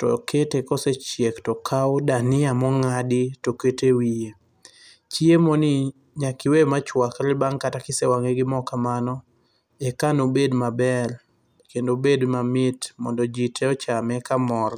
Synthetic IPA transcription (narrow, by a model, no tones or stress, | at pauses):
tɔ̰ketekɔset͡ʃjektɔkʰawdanɪamɔŋadɪtoketewije | t͡ʃiemɔnɪ | ɲakɪwemat͡ʃwakɾɪbaŋkatakɪsewaŋeɡɪmɔkamanɔ | ɛkanobedmabɛr | kendobedmamɪtmɔ̰ndɔd͡ʒitʰeɔt͡ʃamɛkamɔɾ